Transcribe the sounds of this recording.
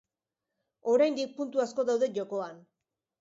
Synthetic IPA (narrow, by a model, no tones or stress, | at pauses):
o̞ɾajnd̪ik̚punt̪uasko̞ðawðeʝoko̞an